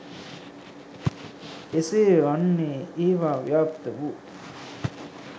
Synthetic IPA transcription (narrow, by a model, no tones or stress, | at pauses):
eseːʋɐnːeːeːʋaːʋijaːpt̪ɐʋu